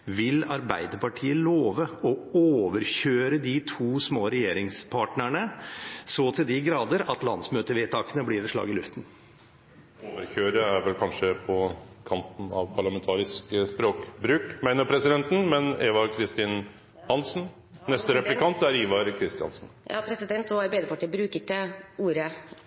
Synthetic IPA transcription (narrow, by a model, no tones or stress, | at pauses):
ʋɪlɑɾbæɪd̪əpɑʈʰiːəloːʋəɔoːʋəɾçøːɾəd̪ɪt̪ʰuːsmoːɾɛjeːɾɪŋspʰɑːʈnəɳəsoːt̪ʰɪld̪ɪɡɾɑːd̪əɾɑt̪lɑnsmøːt̪əʋeːt̪ʰɑːkənəblɪːɾɛʂlɑ̰ːɡɪlʉft̪n̩ | oːʋəɾçøːɾəæɾʋɛlkʰɑnʂəpʰɔkʰɑnt̪n̩ɑ̰ʋpʰɑɭɑmɛnt̪ʰɑːɾɪskəspɾoːkbɾʉːkmæɪnəɾpʰɾɛsɪd̪ɛnt̪n̩mɛneːʋɑɾkʰɾɪst̪ɪn | hɑnsn̩ | nɛst̪əɾɛplɪkʰɑnt̪æɾiːʋɑɾkʰɾɪst̪ɪɑ̰nsn̩jɑ̰ːpʰɾɛsɪd̪ɛnt̪ɔæɾbeːd̪ɛpʰɑʈʰiːbɾʉːkət̪əuːɾə